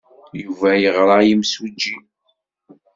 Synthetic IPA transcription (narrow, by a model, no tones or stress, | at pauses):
juvæjəʁɾˤɑjimsud͡ʒːi